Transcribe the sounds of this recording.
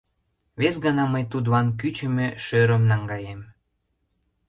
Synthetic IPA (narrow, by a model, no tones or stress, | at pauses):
βesɡɑnɑməjt̪ud̪lɑnk̬yt͡ɕə̆meʃøɾəmnɑŋɡɑjem